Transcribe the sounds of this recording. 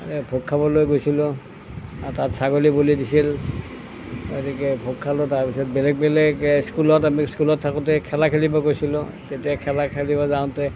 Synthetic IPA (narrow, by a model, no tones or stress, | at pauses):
bʱokʰːabɔlojɡojsilʊ̃ | atatsaɡolibolidisil | ɡo̰tikɛbʱokʰːalɔtaɹpisɔt̚bɛlɛk̚bɛlɛkskulɔtamiskulɔtʰːakɔtɛkʰɛlakʰelibɔkojsilʊ̃ | tetiakʰɛlakʰelibɔzaʊ̃ntɛ